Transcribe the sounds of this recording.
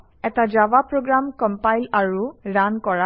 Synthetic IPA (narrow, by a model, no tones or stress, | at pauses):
ɛtad͡ʒabapɹoɡɹamkɔmpajlaɹuɹankɔɹa